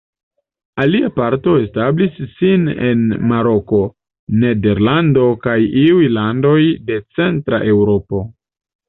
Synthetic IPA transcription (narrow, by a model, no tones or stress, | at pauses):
aliapaɾto̞e̞stablisːine̞̰nmaɾo̞ko̞ | ne̞de̞ɾlando̞kajiujlando̞jde̞t͡se̞ntɾa̰ʔe̞wɾo̞po̞